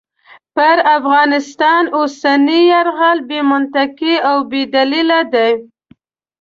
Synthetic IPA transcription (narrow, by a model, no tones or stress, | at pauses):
pəɾafɣɑnɪst̪ɑnosanijaɾɣalbemʊnt̪akiawbed̪alilad̪aj